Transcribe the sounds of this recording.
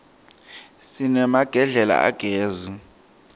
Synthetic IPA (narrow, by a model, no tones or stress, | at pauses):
sinɛmaɡ̥ʱɛɮɛla̰a̰ɡ̥ʱeːzi